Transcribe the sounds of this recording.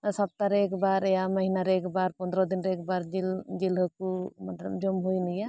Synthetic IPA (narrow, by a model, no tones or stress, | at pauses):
sap̚t̪aɾɛkbaɾɛjaməɦinaɾɛkbaɾpɔnd̪ɾɔd̪inɾeɛk̚baɾd͡ʒild͡ʒilɦɔkumat̪lɔ̰md͡ʒɔmɦojnija